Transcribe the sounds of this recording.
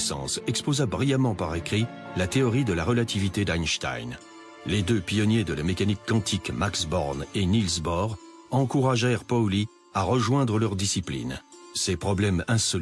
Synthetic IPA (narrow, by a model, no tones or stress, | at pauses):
sɑ̰̃sɛkspozabʁijamɑ̃paʁekχilat̪eɔʁid̪əlaʁəlat̪ʰivit̪ed̪ajnʃt̪a̰jn | led̪øpjɔnjed̪əlamekanikːɑ̃t̪ʰikmaksbɔʁnenilzbɔʁ | ɑ̃kuʁaʒɛʁpɔli | aʁəʒwɛ̃d̪ʁəlœʁd̪isiplḭnsepχɔblɛmɛ̃sɔ